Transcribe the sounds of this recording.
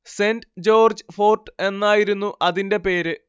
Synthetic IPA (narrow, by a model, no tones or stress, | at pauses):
se̞ːndd͡ʑo̞ːrd͡ʑɨfo̞ːrʈɨe̞nːaːjiɾunːuʔɐðinde̞pe̞ːɾɨ